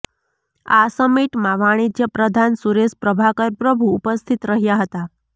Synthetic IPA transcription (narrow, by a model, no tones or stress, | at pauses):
asəmiʈmaʋaɽ̃id͡ʒjəpɾəd̪ʱansuɾespɾəbʱakəɾpɾəbʱuːpəst̪ʰit̪ɾəɦjaɦət̪a